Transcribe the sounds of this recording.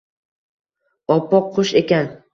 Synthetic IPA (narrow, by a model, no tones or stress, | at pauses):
ɒpʰːɒqʰːʊʃekʲan